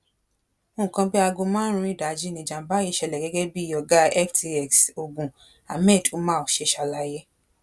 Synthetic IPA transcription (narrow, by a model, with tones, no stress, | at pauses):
o˧˦ũ˨kã˧bi˦a˧ɡo˧mã˦ɾ̃ũ˧˦i˦˨da˨˦d͡ʒi˦nĩ˧˨d͡ʒã˨m˨ba˦ji˧˦ʃɛ˧lɛ˨ɡɛ˦ɡɛ˦bi˦ɔ˧˨ɡa˨˦ɛ˦fti˧ɛ˨kso˧bũ˨ | a˨mɛ˦˨tʰo˨˦mãː˦o˨ʃe˧˦ʃa˧la˧jɛ˦